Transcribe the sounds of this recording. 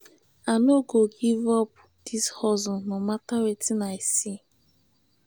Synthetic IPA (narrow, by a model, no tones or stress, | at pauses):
anoɡoɡivɔp̚ | d̥ishɔzʊnomatawetinaɪsi